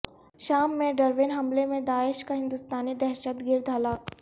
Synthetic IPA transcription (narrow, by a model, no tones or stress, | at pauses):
ʃaːmːẽɖɐɾʋɪnɦɐmlemẽd̪aːɪʃkaɦɪ̃nd̪ʊst̪aːnid̪ɛɦʃət̪ɡɪɾd̪ʱɐlaːk